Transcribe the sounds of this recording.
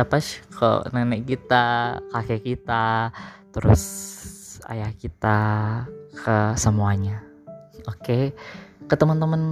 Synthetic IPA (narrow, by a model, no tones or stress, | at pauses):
apaʃkʰo̰nənɛk̚kit̪akakekit̪at̪əɾʊ̰s | a̰jahkit̪a | kʰəsəmuaɲa | okekət̪əmənt̪əmən